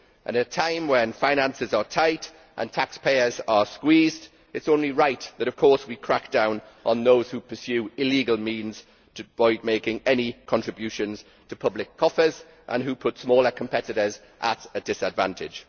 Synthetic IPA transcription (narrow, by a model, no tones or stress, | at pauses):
ʔə̰̃nətʰãɪ̃mwə̃nfaɪ̃ñãnsɪzətʰaɪt | ʔə̰̃ntʰakspʰeɪəzəskwiːzd | ɪtsõʊ̃nliɹaɪʔðəɾəv̥kʰɔˑɹswikʰɹ̥ak̚d̥ãʊ̃n | ʔə̃nðoʊz̥hupʰəsjʉːɪliːɡəlˠmĩːnz̥ | tʰəvɔɪd̚meɪkɪ̃ŋɛnikʰɒ̃ntɹ̥ɪbjʉˑʃə̃nz̥ | tʰəpʰʌblɪkʰːɒfəz | ʔə̰̃nɦupʰʊtsmɔːləkʰə̃mpʰɛtɪtəz | ʔə̰tədɪsədvã̰ntʰɪd̥d͡ʒ̥